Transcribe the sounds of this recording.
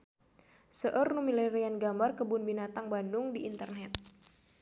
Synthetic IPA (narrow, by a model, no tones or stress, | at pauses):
səʔərnumilɛɾianɡambarkəbʊnbinat̪aŋbandʊŋdiʔːnt̪ərnɛt̪̚